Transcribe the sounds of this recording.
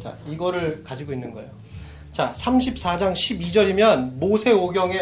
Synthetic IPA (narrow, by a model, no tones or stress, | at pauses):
t͡ɕa̰iɡʌɾɯɭkad͡ʑiɡoinːɯnɡʌejo | t͡ɕasʰamɕʰip̚s͈ad͡ʑaŋɕʰibid͡ʑʌɾimjʌnmosʰe̞oɡjʌŋe